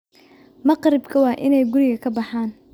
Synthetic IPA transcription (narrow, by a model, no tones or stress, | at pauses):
mɐqɾɪbkʰɐwɑːʔɪnɛjɡʊɾɪɣɐkʰɐbɑħaːn